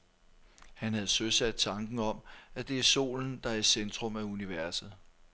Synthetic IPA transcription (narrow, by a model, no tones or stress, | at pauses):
hænhæð̞̩ˠsøsæd̥̚t͡sʰɑ̈ŋɡ̥n̩ɒ̽mæd̥e̝æɐso̝̰ːln̩d̥ɑ̈æɐisend̥ʁɔ̽mæuniʋæɐsð̩ˠ